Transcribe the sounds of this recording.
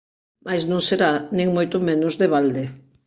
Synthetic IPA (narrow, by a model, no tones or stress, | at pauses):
majsnõŋseɾanẽŋmojt̪ʊmenʊzðeβald̪ɪ